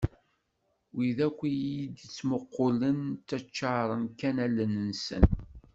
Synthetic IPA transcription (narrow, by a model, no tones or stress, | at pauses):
wiðækʷːijid̪ət͡sːməqːolənt̪ːæt͡ʃːɑɾˤənkænælːənənsə̰n